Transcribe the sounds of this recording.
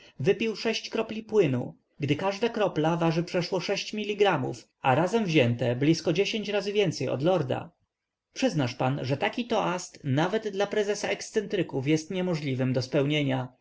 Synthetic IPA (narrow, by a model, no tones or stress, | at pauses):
vɘpʲiwʂɛɕt͡ɕkɾɔplʲipwɘnṵ | ɡd̪ɘkaʐd̪akɾɔplavaʐɘpʂɛʂwɔʂɛɕt͡ɕmʲilʲːiɡɾamṵf | aɾazɛmvʑɛnt̪ɛblʲiskɔd͡ʑeɕeɲt͡ɕɾazɘvʲjɛnt̪sɛjɔ̰d̪lɔɾd̪a̰ | pʂɘznaʂpanʐɛt̪akʲit̪ɔʔast̪navɛd̪d̪ːlapɾɛzɛsaɛkst̪sɛnt̪ɾɘkufjɛst̪ɲɛmɔʐlʲivɘmd̪ɔspɛwɲeɲa